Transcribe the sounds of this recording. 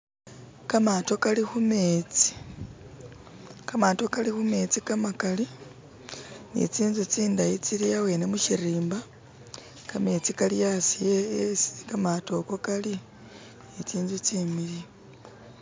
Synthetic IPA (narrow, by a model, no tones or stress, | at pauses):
kamato̞kalixumeːt͡si̥ | kamato̞kalixume̞t͡sikamakali | nḭt͡siːnzut͡siːndajit͡siɾijawenemuʃiriːmba | kame̞t͡sikalijasijeesi̥kamato̞ko̞kali | nit͡siːnzut͡simili